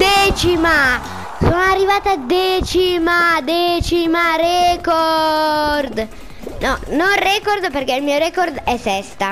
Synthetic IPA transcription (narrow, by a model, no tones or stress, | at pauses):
d̪ɛːt͡ʃima | soːnoarːivaːt̪ad̪ɛːt͡ʃimad̪ɛt͡ʃimaɾɛko | ɾd̪ | nɔnonrɛkoɾd̪perkeilmiːoɾɛkoɾd̪ɛsɛst̪a